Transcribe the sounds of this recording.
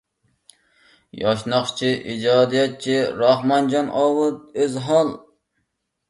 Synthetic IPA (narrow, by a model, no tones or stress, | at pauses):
jɑʃnɑχt͡ʃʰiʔid͡ʒɑːd̪ijɑt̪̚t͡ʃʰiɾɑhmɑnd͡ʒɑnɑwɨt̪̚øzɦɑlˠ